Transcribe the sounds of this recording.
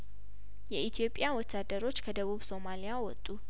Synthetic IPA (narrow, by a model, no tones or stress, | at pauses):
jɛʔit̪ʰijo̞pʼɪjawɔt̪ʰːad̪əɾo̞t͡ʃːkʰəd̪əβuβso̞malijawɔt̪ʼːu